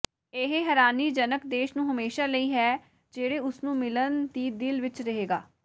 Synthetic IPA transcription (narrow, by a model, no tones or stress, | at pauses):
eɦeɦɛːɾaːniːd͡ʒənəkd̪eːʃnũːɦəmeːʃaːləiːɦɛː | d͡ʒeːɽeːʊsnũːmɪlənd̪iːd̪ɪlʋɪt͡ʃɾəɦeːɡaː